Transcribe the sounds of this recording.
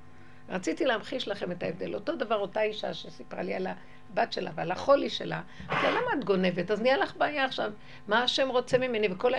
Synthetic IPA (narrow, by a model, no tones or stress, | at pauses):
ʁat͡sit̪ileamχiʃlaχe̞me̞taevd̪e̞lo̞to̞d̪avaʁo̞taiʃa̰ʃesipʁa̰liala | batʃe̞la̰vealaχo̞liʃḛla̰aftalamaːt̪ɡo̞ne̞vetaznijalaχbaːjaːχʃav | maːʃe̞mʁo̞t͡semime̞niveko̞la